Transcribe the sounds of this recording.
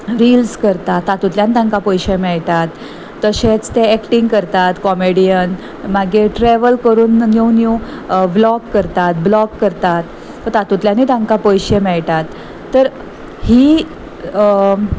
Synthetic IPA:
ɾiːlskəɾt̪at̪ːat̪ut̪ljanit̪ãŋkapɔjɕemɛɭʈat̪ː | əɕet͡st̪eɛkʈiŋɡkəɾt̪at̪kɔmeɽijən | maɡeʈɾɛʋəlkəɾuːnːewnjũblɔkːəɾt̪at̪̚blɔkːəɾt̪at̪ | ət̪at̪ut̪ljaniːt̪ãŋkapojɕemɛɭʈ̪at̪ː | əɾ | hiː

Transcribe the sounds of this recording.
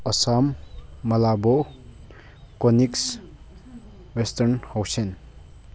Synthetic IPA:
ɐsamːɐlabɔ | kɔniks | westɐɾnhawsen

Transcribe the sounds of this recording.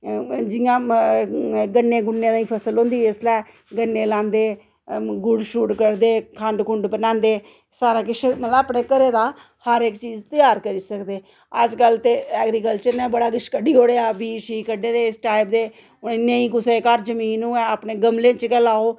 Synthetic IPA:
d͡ʒɪjãː | ɡəɳːẽːɡʊɳːẽːd̪aːĩːpʰəsəlɦõːnd̪iːɪslɛː | ɡənːẽːlãːnd̪eː | ɡʊɽʃuːʈkəɽd̪eːkʰəɳɖkʊɳɖbənãːnd̪eː | saːɾaːkɪʃeməːpneːkəɾeːd̪aː | həɾɪkt͡ʃiːzt̪ɪjaːɾkəɾiːsəkd̪eː | əd͡ʒkəlt̪eːɛːɡɾiːkəlt͡ʃəɾnɛ̃ːbəɽaːɡɪʃkəɖiːɦoːɽeaːbiːʃiːkəɖeːd̪eːɪsʈaːɪp̚d̪eː | ʊnəĩːkʊseːkəɾd͡ʒəmiːnũːɛːəpneːɡəmlẽːt͡ʃkɛːlaːoː

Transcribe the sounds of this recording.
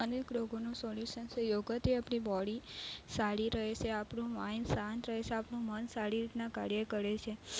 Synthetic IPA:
ənekloɡonũsɔljuʃənt͡ʃʰejoɡət̪iapɳibɔɽisaɽiɾəɦet͡ʃʰeapɳũʋãjnsãnt̪ɾəɦet͡ʃʰeapnũmənsaɽiɾit̪naka̰ɾjəkəɾet͡ʃʰe

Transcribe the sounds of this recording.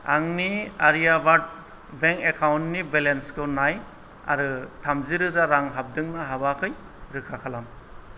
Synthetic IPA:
aŋniaɾijabat̚ | beŋekʰawntnibelenskʰɯnaj | a̰ɾɯtʰamziɾɯzaɾaŋɦab̚dɯŋnaɦabakʰɯj | ɾɯkʰakʰalam

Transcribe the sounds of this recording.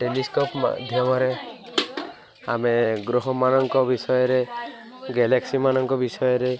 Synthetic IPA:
ʈeliskopma̰d̪ʱjɔmɔɾe | ameɡɾoɦɔmanɔŋkɔbisɔjɔɾe | ɡeleksimanɔŋkɔbisɔjɔɾe

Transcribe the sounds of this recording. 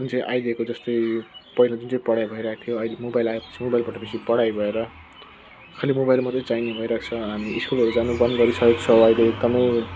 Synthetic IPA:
d͡zunt͡sʌ̃j̃ʔa̰jd̪iekod͡zʌst̪ʌjpʌilad͡zunt͡sʌ̃ĩpʌɽajbʱʌiɾʌakat̪ʰijoʌilemobajlaepʌ̥t͡sʰimobajilbaʈʌbisipʌɽajbʱʌeɾʌ | kʰalimobajlmʌt̪ʌjt͡sainebʱʌiɾakt͡sʰʌɦamiiskulɦʌɾud͡zanubʌnd̪ɡʌɾisʌjoɡ̚t͡sʰʌwʌileːk̚d̪ʌmʌj

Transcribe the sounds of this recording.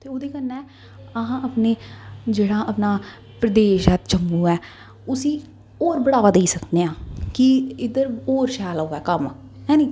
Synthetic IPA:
t̪eːoːd̪eːkənːɛ̃ː | əɦãːəpneːd͡ʒeːɽãːʔəpnaː | pɾəd̪eːʃɛːt̪t͡ʃəmbuːɛː | ʊsĩː | oːɾbəɽaːʋaːd̪eiːsəkd̪eːãːkɪɪd̪əɾoːɾʃɛːloːɡɛːkəm | ɦɛ̃ːnĩː

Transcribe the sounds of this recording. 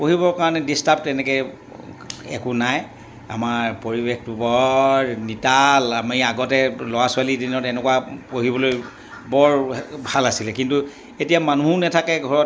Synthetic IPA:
poɦibɔɹkaɹɔnɛdistab̚tɛnɛkɛ | ɛkunaj | a̰maɹpoɹibextubɔɹnitalamiaɡɔtɛlɔwasʊalidinɔtɛnɛkwapoɦibɔloj | bɔɹbʱalasilɛkintu | etijamanuɦunɛtʰakɛɡʱɔɹɔt

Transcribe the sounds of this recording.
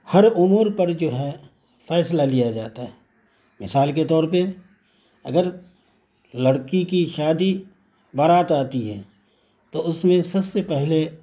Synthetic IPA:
hɐɾʊmuːɾpɐɾd͡ʒoːɦɛ | fɛːslalijad͡ʒaːt̪aɦɛː | mɪsaːlket̪ɔːɾpe | ɐ̰ɡəɾ | lɐɽkikiʃaːd̪i | bɐɾaːt̪aːt̪iɦɛ̰̃ː | t̪oʊsmẽsɐbsepɛɦle

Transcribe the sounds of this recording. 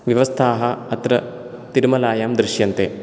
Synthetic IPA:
ʋjɐʋɐst̪ʰaːɦɐɐt̪ɾɐ | t̪iɾumɐlaːjaːmd̪ɾɪʃjɐnt̪ḛː

